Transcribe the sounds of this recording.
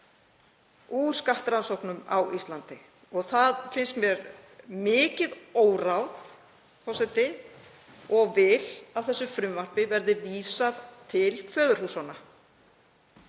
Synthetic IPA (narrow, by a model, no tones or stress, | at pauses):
u̥ːskaht̪ɾansowknʏma̰wist̪lant̪ɪ | ɔɣθaðfɪnst̪mjɛɾ | mɪːcɪðoːwrawð | fɔwsɛt̪ɪ | ɔɣvɪlav̥θɛsːʏfɾʏmvar̥pɪvɛɾðɪviːsaðt̪ʰɪlfœːðʏɾ̥huːsana